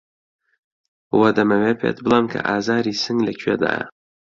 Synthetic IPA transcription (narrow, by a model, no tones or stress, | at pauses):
wɐd̪ɐmɐwepʰḛt̪̚bɨlˠamkʰɐ̰ʔaːzaːɾiːsɨŋlɐkʲʰyed̪a̰ːja̰